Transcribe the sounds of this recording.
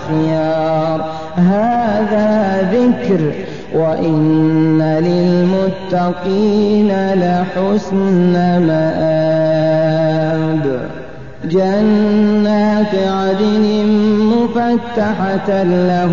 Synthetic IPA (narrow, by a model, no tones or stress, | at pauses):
xɪjɑːɾˤ | ɦaːðaːðɪkɾ | wʔaʔɪnːalɪlmʊt̪ːɑqiːnalɪħʊsnamaʔaː | d̪ | d͡ʒanːaːt̪ɪʕad̪ɪnɪmʊfat̪ːaħala